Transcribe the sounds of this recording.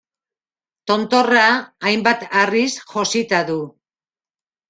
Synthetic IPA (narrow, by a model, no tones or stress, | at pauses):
t̪o̞nt̪o̞raːjmbat̪arisxo̞sit̪aðu